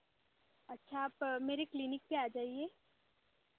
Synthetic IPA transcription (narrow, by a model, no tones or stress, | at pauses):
ɐtːʃʰaːpmeːɾeklinɪk̚peaːd͡ʒaːieː